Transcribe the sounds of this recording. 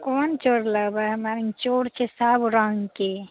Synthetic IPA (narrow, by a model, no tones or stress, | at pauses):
kɔːnt͡ʃoɽləbaɦmaɾĩŋt͡ʃoɽt͡ʃʰesabɾə̃ŋɡke